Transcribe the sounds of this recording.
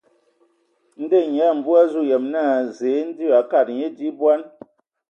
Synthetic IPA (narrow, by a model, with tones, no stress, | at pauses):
n̩˦de˦˨ɲɛ˨˦˨m̩˨bu˦a˦zu˦˨jɛ˨mnaː˦˨ze˨˦n̩˦di˦a˨ka˦˨t̚ɲe˦di˦bwa˦n